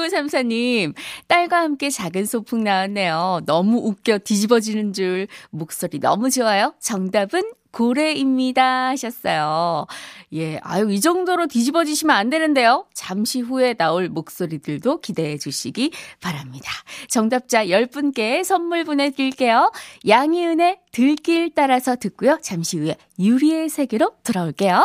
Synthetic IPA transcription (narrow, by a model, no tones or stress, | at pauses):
usʰamsʰaɲimt͈aɭɡwahamk͈e̞t͡ɕaɡɯnsʰopʰuŋnaanːe̞jonʌmuʔːk͈̚jʌtid͡ʑibʌd͡ʑinɯnd͡ʑuɭmok̚s͈oɾinʌ̰mud͡ʑewajot͡ɕʌŋdabɯnkoɾe̞imɲidahaɕʰʌs͈ʌjo | je̞a̰joid͡ʑʌŋdoɾotid͡ʑibʌd͡ʑiɕʰimjʌnande̞nɯnde̞jot͡ɕamɕʰiɸue̞naoɭmok̚s͈oɾidɯɭdokide̞ed͡ʑuɕʰiɡipaɾamɲid̥ḁt͡ɕʌŋdap̚t͡ɕ͈ajʌɭp͈unk͈e̞sʰʌnːuɭbune̞tiɭk͈e̞jojaŋiɯne̞tɯɭk͈iɭt͈aɾasʰʌtɯk͈ujot͡ɕamɕʰihue̞ | juɾie̞sʰe̞ɡeɾotɯɾʌoɭk͈e̞jo